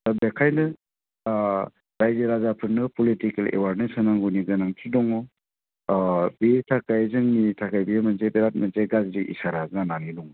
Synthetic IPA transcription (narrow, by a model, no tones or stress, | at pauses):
bekʰajnɯ | ɾajzɯɾazapʰɯɾnɯpɔlitikelḛwaɾnensɯnaŋɡuniɡɯnaŋtʰidɔŋɔ | betʰakajzɯŋnitʰakajbijamɯnzebeɾat̚manzeɡazɾiʔḭsaɾazŋananidɔŋɔ